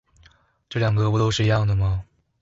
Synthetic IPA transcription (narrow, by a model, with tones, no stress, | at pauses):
ʈ͡ʂɤ˥˩ljɑ˨˩ŋɡə˧pu˧˥t̪o˥ʊʂɻ̩˥˧i˧˥jɑ˥˩ŋd̪ə˩mɐ˩